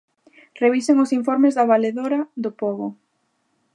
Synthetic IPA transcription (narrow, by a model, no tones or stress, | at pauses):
reβiseŋʊsiɱfɔɾmezðaβaleðoɾaðopɔɣʊ